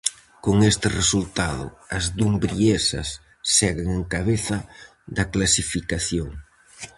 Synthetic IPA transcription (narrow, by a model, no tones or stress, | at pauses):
koŋest̪ɪresult̪aðʊ̰ɐzðumbɾiesɐ̰sː | ɛɣeŋeŋkaβeθɐ | ðɐklasifikaθjoŋ